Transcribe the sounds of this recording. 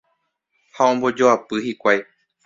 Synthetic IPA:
haõmbo̞d͡ʒoapɨhikʷaj

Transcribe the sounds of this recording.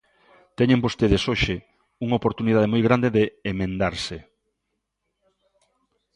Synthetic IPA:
t̪ɛɲẽmbost̪eðesoʃɪ | uŋopoɾt̪uniðaðemojɣɾand̪eðeːmẽnd̪aɾse

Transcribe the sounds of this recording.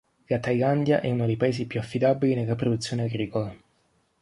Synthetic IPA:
ɡat̪ajland̪jaʔɛ̰unod̪ejpaeːzipjuafːid̪abilinelːapɾod̪ut̪sːjoːneaɡɾiːkola

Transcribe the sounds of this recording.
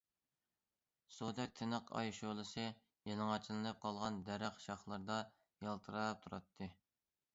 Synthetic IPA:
sud̪ɛk̚ʲt̪ʰɪnəqʰɑ̰jʃolˠɨsɨ | jelˠɨŋɑt͡ʃʰilɨnɨp̚qʰɑlˠʁɑnd̪ɛɾæχʃɑχlˠɨɾd̪ɑ | jɑlˠt̪ʰɨɾɑp̚t̪ʰuɾɑ̰t̪ʰːɨ

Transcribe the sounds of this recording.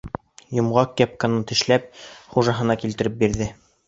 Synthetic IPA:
jŏmʁɑkːæp̚kɑnɤt̪ɘ̆ʃlæp̚χuʒɑɦɤ̆nɑkilt̪ɘ̆ɾɘp̚biɾðɘ

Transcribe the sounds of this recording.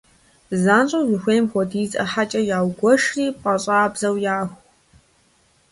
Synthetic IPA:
zaːnt͡ʃʼɐwzʷʊxʷeːjmxʷɔdiːzʼɐħat͡ʃʼɐjaːwɡʷɔʂriːpʼɐɕʼaːbz̥ɐwjaːxʷ

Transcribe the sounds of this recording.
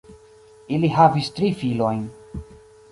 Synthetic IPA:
iliɦavistɾifilo̞jn

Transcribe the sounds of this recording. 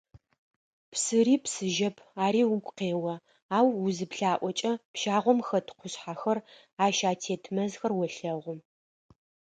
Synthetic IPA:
psɨɾiːpsɨʒɐpʰaːɾiːwʊkʷʼqeːwɐ | aːwuzɨpɬaːʔʷɔt͡ʃʼɐpʃaːʁʷɔmxɐtʰqʷʊɕħaxɐr | aːʃaːtʰeːtʰmɐzxɐrwɔɬɐʁʷʊm

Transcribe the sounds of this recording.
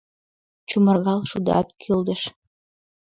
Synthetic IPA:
t͡ɕumərɣɑlʃud̪ɑ̰t̪kʰild̪ə̆ʃ

